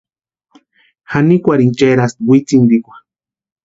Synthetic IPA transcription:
hanikʷaɾiŋt͡ʃaɾast̪̚wʷit͡sind̪ikʷḁ

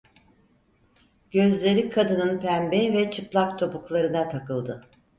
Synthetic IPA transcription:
ɟ̥ø̞zlʲe̞ɾikʰad̪ɯnɯnpʰænbɛvɛt͡ʃʰɯplˠakt̪ʰo̞puklˠaɾɯnat̪ʰakɯlˠd̪ɯ

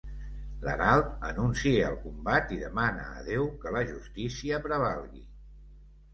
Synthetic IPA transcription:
lə̰nalˠt̪ənunsiəəlˠkumbat̪iðəmanə̰ːðewkələʒust̪isiəpɾəβ̞alˠɣḭ

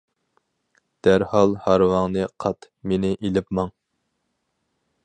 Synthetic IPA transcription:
d̪̥æɾhɑlˠhɑɾwɑŋnɨqʰɑt̪ | menɪʔelɪpmɑŋ

